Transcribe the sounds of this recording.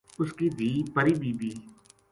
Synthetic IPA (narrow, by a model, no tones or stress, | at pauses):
ʊskid̪ʱiːpɐɾiːbiːb̪iː